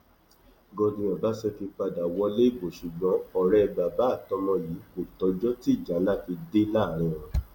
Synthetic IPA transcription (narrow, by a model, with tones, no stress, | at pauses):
ɡɔ̃˧dĩ˧ɔ̃˨ba˨˦sɛ˧fi˧k͡pa˧da˨wɔ˧˦le˦i˦˨bo˨ʃu˨ɡ͡bɔ̃˨˧ɔ˨ɾɛ˧ba˨ba˨˦˨tɔ̃˧˦mɔ̃˧ji˨˦ko˨tɔ˨˧d͡ʒɔ˦ti˦˨d͡ʒa˨˦la˦˨fi˧de˦la˦˨ɾ̃ɔ̃˨ɾ̃ɔ̃˨